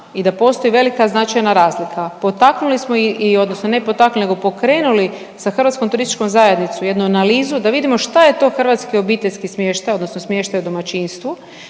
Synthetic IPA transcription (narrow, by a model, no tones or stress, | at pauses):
id̪apo̞st̪o̞iʋe̞likaznat͡ʃajnaɾaːzlikʰapo̞t̪aknulismo̞iio̞d̪no̞snonepo̞t̪aknulineɡo̞po̞kɾe̞ːnuli | saxɾr̩ʋat̪skomt̪uɾist̪i̥t͡ʃko̞mzaje̞d̪nit̪suje̞d̪nuanaliːzud̪aʋid̪imo̞ʃt̪aje̞t̪o̞xr̩ʋat̪skio̞biːt̪eʎʲskismʲjeːʃt̪ajo̞d̪no̞snosmje̞ʃt̪ajud̪o̞mat͡ʃiːnst̪ʋu